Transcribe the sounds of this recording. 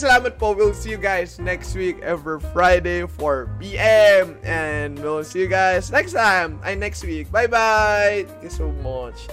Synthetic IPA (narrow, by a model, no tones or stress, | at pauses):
sɐlamɐt̪̚powilsijuɡajsnɛkst̪wikɛvifɹajdeɪfɔɹbiʔɛmɛ̃ndwilsiːjuɡaɪsnɛkst̪ãjma̰ɪnɛkst̪̚wik̚bajbajt̪ɛ̃kjusoʊmʌt͡ʃ